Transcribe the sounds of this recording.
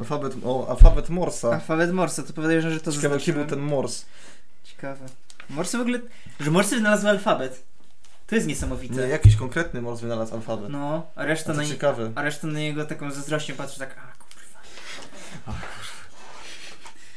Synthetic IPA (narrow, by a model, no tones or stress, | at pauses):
alfabɛt̪ʔɔa̰lfabɛt̪mɔɾsaalfabɛt̪mɔɾsat̪ɔpɔvʲjad̪ujɛʐʐɛt̪ɔzakavɛkʲɛbɨwt̪ɛnmɔɾs | t͡ɕɛ̥kavɛ | mɔɾsvɔɡulɛ | ʐɛmɔɾsvɘnalazwalfabɛt̪ | t̪ɔjɛst̪ɲɛsamɔvʲitɲɛjakʲiɕkɔŋkɾɛt̪nɘmɔɾsvɘnalasa̰lfabɛt̪nɔ | aɾɛʂt̪anaɲt͡ɕɛkavɛaɾɛʂt̪anaɲɛɡɔt̪akɔ̃w̃zazɾɔɕt͡ɕɛmpat̪ʂɛ̥t̪akaku̥ɾva | aku̥ɾvɛ